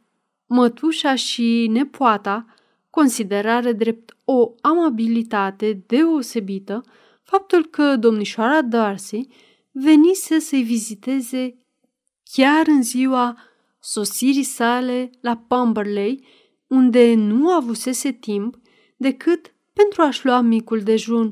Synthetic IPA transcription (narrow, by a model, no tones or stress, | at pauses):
mət̪uʃaʃine̞poat̪a | ko̞nsid̪e̞ɾaɾed̪ɾe̞p̚t̪o̞amabilit̪at̪e̞d̪e̞o̞se̞bit̪ə | fap̚t̪ulkəd̪o̞mniʃoaɾad̪arsij | ve̞nise̞səjvizit̪e̞ze̞ | kʲaɾɨnziwa | so̞siɾijsale̞lapambərle̞j | und̪e̞nuavuse̞se̞t̪imp | d̪e̞kɨt̪ | pe̞nt̪ɾuaʃluamikuld̪e̞ʒun